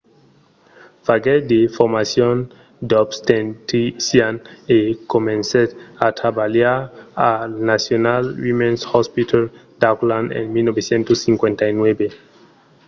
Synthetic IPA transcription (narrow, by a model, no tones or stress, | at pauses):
faɡed̪efoɾmasjon | d̪obst̪ent̪isjanekomẽnseat̪ɾabaljaɾanasjonalwimẽnshɔspit̪ʰald̪̥aklãnḛnmilnobesjent̪osːiŋkwẽnt̪ainwebe